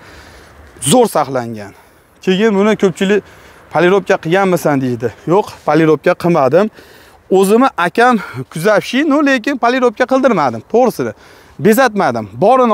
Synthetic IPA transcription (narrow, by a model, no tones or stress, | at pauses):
zoɾsɑχlˠaŋɡʲan | kʲʰe̞ɡʲɪnbʊnɪkʲʰɵp̚t͡ʃʰɪlɪkʲ | pʰalɪɾop̚kʲaqʰɨɡʲanmɪsand̪eʃd̪ɪjoqpʰaliɾop̚kʲaqʰɨmad̪ɪm | ɵzɪmɪʔakʲʰamkʲʰʊzapʃɪnʊle̞kʲɪnpʰalɪɾop̚kʲaqɨlˠd̪ɪɾmad̪ɪmt̪ʰoʁɾɨsɪnɪ | be̞zat̪mad̪ɪmbɒɾɪn